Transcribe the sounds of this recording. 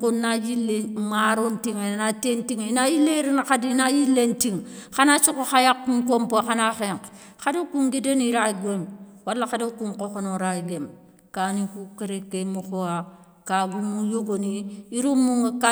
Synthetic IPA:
kunːajilːemaɾontiŋenatentiŋnajilːeɾinxadinajilːentiŋxanat͡ʃukoxajakːuŋkompoxanaxeŋk | xadokuŋɡideniɾaɡʷemwalːaxadokuŋkokonoɾaiɡem | kanikukeɾekːemuxoa | kaɡumujoɡoniiɾumːuŋka

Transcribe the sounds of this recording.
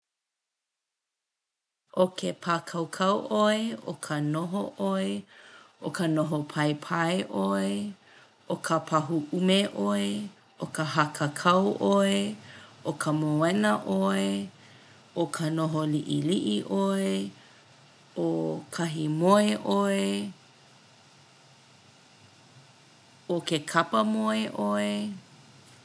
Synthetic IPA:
ʔokʰepʰaːkʰɐwkʰɐwʔoeo̰kʰənoɦoʔoeʔokənoɦopʰɐepʰɐeʔoe | ʔokʰəpʰɐɦuʔumeʔoe | ʔokəɦɐkʰəkʰɐwʔoeʔokʰəmoɛnɐʔoe | okʰɐnoɦoliʔḭliʔiʔoe | okʰɐɦimoeʔoe | okekʰɐpəmoeʔoe

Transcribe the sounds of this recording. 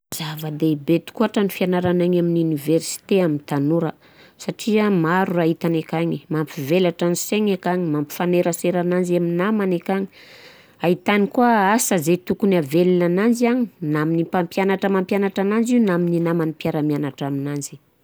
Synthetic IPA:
z̥avəd̪eibet̪u̥kuaʈ͡ʂanifianaɾanaɲaminiuniversi̥t̪eamint̪anuɾə | saʈ͡ʂiamaɾuait̪anekaɲimamfivelaʈ͡ʂaniseŋekaɲimampi̥faneɾaseɾanand͡ʒaminamanekaɲi̥ | ait̪anikuaasazet̪ukunavelinanand͡ʒiaɲinaminipampjanaʈ͡ʂamampjanaʈ͡ʂanand͡ʒinamininamanipjaɾamanaʈ͡ʂaminanzi̥

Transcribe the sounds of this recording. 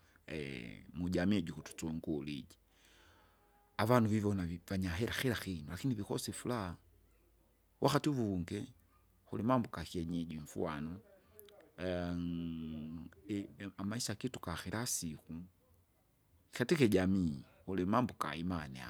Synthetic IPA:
ɛmuɟamiɛɟukutu̥t͡sɔŋɡulḭd͡ʒi̥ | avanuvivɔnavaɲaɦɛɾaxiɾaxinulakiniβixɔsifulaa | wʔaxatiβuŋɡɛ | xulimambukaxiɛɲɛɟiɱfṵanɔ | amaisakitukaxiɾasiku | xatikɛɟamixulimambuka̰imanɛa̰

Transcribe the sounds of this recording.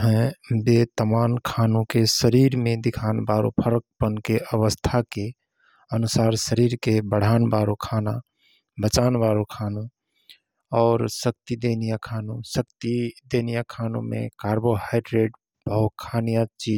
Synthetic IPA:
ɦɛ̃bet̪əmaːnkʰanõkesəɾiɾmẽd̪ɪkʰaːnbaɾo̰pʰəɾək̚pənkeʔəʋəst̪ʰake | ənʊsaːɾsəɾiɾkebəɽ̤ʱaːnbaɾokʰana | bət͡ʃaːnbaːɾokʰanũ | ɔːɾsək̚t̪id̪eːnijakʰaːnũsəkt̪id̪eːnijakʰaːnõ̰mḛ̃kaːɾbohaɪɖɾeːɖ | bəɦut̪̚kʰaːnijat͡ʃiː

